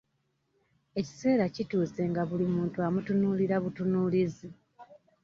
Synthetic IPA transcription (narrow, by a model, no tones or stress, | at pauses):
e̞ci̥se̞ːɾacituːse̞ŋɡaβulimuːntuamutunuːliɾaβutunuːlizi